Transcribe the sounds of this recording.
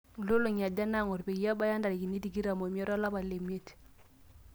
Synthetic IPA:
u˨lo˦lo˨ɲa˨da˦na˦˨ŋo˨ɾbe˨i˦ja˦ba˦ja˦nda˨ɾi˨ki˨ni˦ti˨ɡi˦ɾa˨mo˨m˦ɔ˦ɾa˦la˦ba˨le˨mi˦e˦t

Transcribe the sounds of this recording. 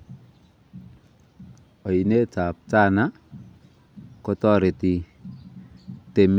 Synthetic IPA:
ɔ˨i˨ne˦t͡sa˨p̚t͡sa˦na˦ | ko˦tɔ˦ɾe˨ti˨ | te˨m

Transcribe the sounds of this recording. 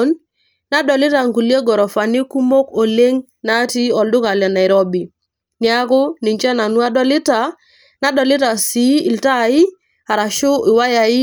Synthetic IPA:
n | na˦dɔ˨lɪ˦ta˨ŋku˨lje˦ɡɔ˨ɾɔ˨fa˨ni˦ku˦mo˦ko˨le˦ŋ | na˦ti˦ɔ˨ldʊ˦ka˨lɛ˨na˨ɪ˨ɾo˦bi˨ | ni˦a˦kʊ˦ni˨ɲt͡ʃɛ˦na˨nu˦a˦dɔ˦lɪ˦ta˨ | na˦dɔ˨lɪ˦ta˨si˦˨lta˦˨ɪ˦ | a˨ɾa˨ʃʊ˦ɪ˨wa˦ja˨i˦

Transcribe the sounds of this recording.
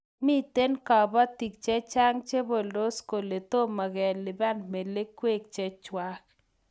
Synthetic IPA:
mi˦t̪e˦nka˨ba˦t̪i˨k̚t͡ʃe˦t͡ʃa˦ŋt͡ʃe˦bo˨ldo˦sko˨le˨t̪o˦ma˨ɡɛ˨lɪ˨ba˦nme˨le˦kwe˦˨k̚t͡ʃe˦t͡ʃwa˦k̚

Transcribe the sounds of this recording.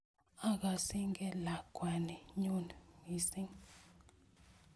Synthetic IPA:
a˦k̬a˨si˦ŋɡɛ˦la˨kwa˨ni˨ɲu˦nmi˨si˦ŋ

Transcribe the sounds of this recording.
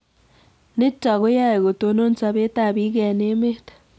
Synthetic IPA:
ne˦tːa˨ɣo˦ja˦e˨ɣo˨to˨no˦n˦t͡sa˨βe˦ta˦˨βi˦ɣe˨ne˦me˦tḁ

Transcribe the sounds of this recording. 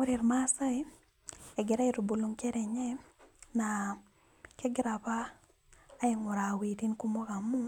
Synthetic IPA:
ʊ˦ɾi˨ɾma˦sa˦i˦ | ɛ˨ɡɪ˨ɾa˦i˦ɾo˨bo˨lo˦ŋkɛ˦ɾɛ˨ɲɛ˦na˨ | kɛ˦ɡɪ˦ɾa˨paː˦ | ɪ˨ŋʊ˨ɾa˨wi˨ti˦nku˦mo˦ɡa˨mu˦

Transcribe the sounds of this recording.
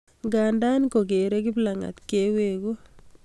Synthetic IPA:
ŋɡa˨nda˦nko˨ke˨ɾe˦ki˦bla˨ŋa̰˨t̪ke˦we˨ku˦

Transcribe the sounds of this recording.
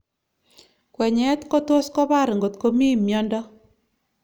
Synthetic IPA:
kwɛ˨ɲɛ˨˦t̪ko˦t̪wo˦skɔ˦βa˦˨ɾŋɡo˨t̪ko˦mi˦mjɔ˦ndɔ˦

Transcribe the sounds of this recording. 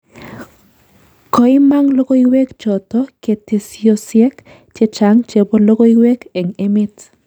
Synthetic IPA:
kɔ˨ɪ˦ma˦ŋlo˦ko˦iwe˦kt͡ʃɔ˨tɔ˦ke˨te˨siosjɛ˦k | t͡ʃe˦t͡ʃa˦ŋt͡ʃe˨bo˦lo˦ko˦i˦we˦kɛ˨ŋe˦mɪ˦t

